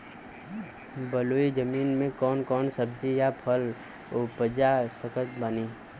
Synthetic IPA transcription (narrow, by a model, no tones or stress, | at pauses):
bəloːid͡ʒəmiːnmẽkɔːnkɔːnsəb̚d͡ʒejapʰəl | opəd͡ʒasəkət̪baːni